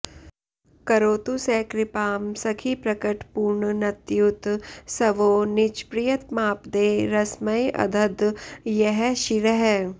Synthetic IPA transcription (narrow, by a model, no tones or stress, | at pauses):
kɐɾoːt̪usɛkɾɪpaːmsɐkʰipɾɐkəʈpuːɾɳnɐt̪jut̪sɐʋoːnɪt͡ʃpɾijət̪maːpd̪eːɾɐsməjʔɐ̰d̪ʱəd̪jɛɦɛʃiɾəɦɛː